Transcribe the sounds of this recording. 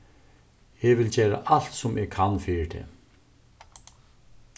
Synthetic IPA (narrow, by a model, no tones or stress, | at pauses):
ɛʋɪld͡ʒeːɾa̰ʔal̥t̪sʊmɛkʰanːfiːɹt̪ʰɛ̰ː